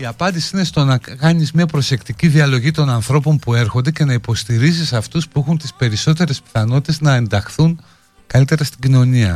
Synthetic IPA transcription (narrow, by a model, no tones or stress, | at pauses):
iɐpɐnd̪isi̥ine̞st̪o̞nɐkɐnizmɲɐpɾo̞se̞kt̪iciðiɐlo̞ʝit̪o̞nɐnθɾo̞po̞mpue̞ɾxond̪e̞ce̞nɐipo̞st̪iɾisisɐft̪uspuexunt̪i̥spe̞ɾiso̞t̪e̞ɾe̞spi̥θɐno̞t̪i̥t̪e̞znɐe̞nd̪ɐxθun | kɐlit̪e̞ɾɐst̪iɟino̞niɐ̰